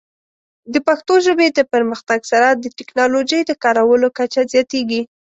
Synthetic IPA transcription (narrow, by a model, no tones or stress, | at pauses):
d̪əpaxt̪oʒəbed̪əpəɾməxt̪aɡsaɾad̪əʈɪknɑloʒəjd̪əkɑɾawəlokat͡ʃazjɑt̪eɡi